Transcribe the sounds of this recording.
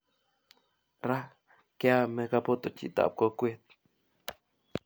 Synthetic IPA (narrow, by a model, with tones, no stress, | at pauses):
ɾa˦ | ke˦a˦me˧ka˧po˦t̪o˨t͡ʃḭ˨t̪a̰˨p̚ko˨kʷe˦t̪̚